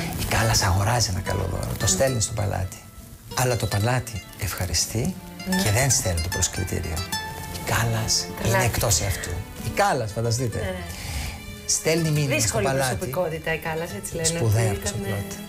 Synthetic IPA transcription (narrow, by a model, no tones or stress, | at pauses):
ikɐlɐsɐɣo̞ɾɐzienɐkɐ̰lo̰ðo̞̰ɾo̰t̪o̞st̪e̞lnist̪opɐ̰lɐ̰t̪i̥ | ɐlɐt̪o̞pɐlɐt̪i | efxɐɾist̪i | ce̞ðenst̪elunt̪opɾoskɾḭt̪ḭɾḭo̰ikɐlɐsineekt̪o̞siɐft̪ṵikɐlɐsfɐnd̪ɐs̬t̪it̪e | st̪e̞lniminðisskolpɐlɐtpiikot̪it̪ɐikɐlɐset͡silesnpuðeɐpt̪osoplot̪